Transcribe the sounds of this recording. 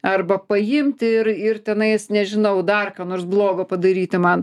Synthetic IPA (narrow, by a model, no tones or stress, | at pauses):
ɐrbɐpɐjɪmʲt̪ʲɪɪrɪrt̪ʲɛnɐɪsnʲɛʒʲɪnɐʊd̪ɐrkɑːnoːrsblˠoːɡɐpɐd̪ɐɾʲiːt̪ʲɪmɐn